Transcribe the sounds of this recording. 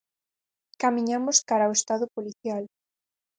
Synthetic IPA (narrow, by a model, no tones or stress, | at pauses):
kamĩɲamʊskaɾaoest̪aðʊpoliθjal